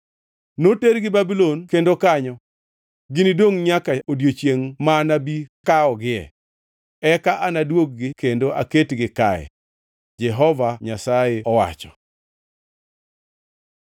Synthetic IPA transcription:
noteɾɡɪbabilonkendokaɲɔ | ɡɪnidwoŋɲakaodjot͡ʃjeŋmanabikaɔɡɪɛ̰ | ɛkaʔanadwok̚ɡɪkendoʔa̰ketɡɪkaɛ̰ | d͡ʒɛɦɔvaɲasaeɔwa̰t͡ʃɔ̥

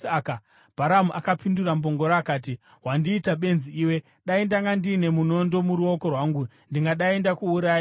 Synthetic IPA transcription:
aka | b̥ʱaɾamuʔakapindurambo̞ŋɡo̞ɾaːkaːti | ɦwandiːtaɓe̞nziiːwe̞ | ɗaindaŋɡandine̞muno̞ndo̞muɾuo̞ko̞rwaːŋɡu | ndiŋɡaɗaendakuːɾaːji

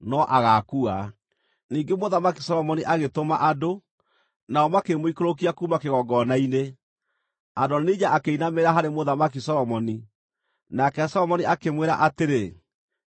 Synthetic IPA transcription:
nɔʔaɣakua | niːŋɡemoðamakisɔɾɔmɔniʔaɣetoma̰ʔado | naɔmakemoikoɾok̬iakuːmakeɣɔɡɔnaine | adɔniɲaʔakeinameɾaɦaɾemoðamak̬isɔɾɔmɔni | nakɛsɔɾɔmɔniʔakemweɾa̰ʔateɾe

